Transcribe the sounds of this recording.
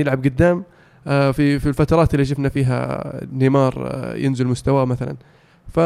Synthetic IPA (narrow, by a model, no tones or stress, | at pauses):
ɪlʕab̚ɡʊd̪ːaːm | fifilfat̪ɑɾˤɑːt̪ɪlːiʃ̬ɪfnafiːɦa̰nimɑːɾˤjɪ̰nzɪlmʊst̪awamaθala̰n | fa